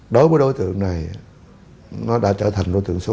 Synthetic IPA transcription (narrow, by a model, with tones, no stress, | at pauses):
ɗo˨˦jvəː˨˦jɗo˧˦jt̪ɨ̰˧˨əŋna˨˩j | nɔ˨˦ɗa̰ː˧˥t͡ɕəː˧˩t̪ʰa˨˩ŋ̟ɗo˧˦jt̪ɨ̰˧˨əŋso˨˧˦